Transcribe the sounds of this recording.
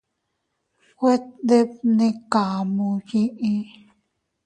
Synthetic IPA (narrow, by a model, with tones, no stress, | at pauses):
kʷe˦t̪d̪e˦p̚nĩ˧ka˨mũ˧jĩ˦ʔĩ˦